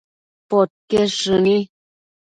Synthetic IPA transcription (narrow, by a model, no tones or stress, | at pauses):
pot̚keʂɨni